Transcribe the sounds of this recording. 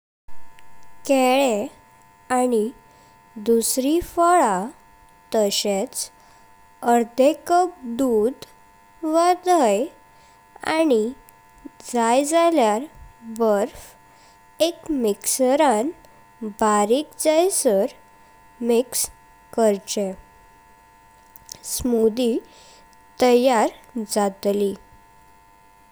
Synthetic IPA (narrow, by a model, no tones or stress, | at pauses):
kɛɭe | ani | d̪usɾifəɭa | t̪əɕet͡s | əɾd̪ekəp̚d̪ud̪ | ʋad̪əj | a̰ni | d͡zajd͡zaljaɾbəɾf | ekmiksəɾãn | baɾikd͡zajsəɾ | miks | kəɾt͡ɕe | smud̪i | t̪əjaɾd͡zat̪li